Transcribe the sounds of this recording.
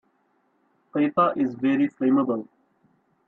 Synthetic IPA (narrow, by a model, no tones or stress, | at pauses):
qeːtaʔɪzveɾiflẽːməbəl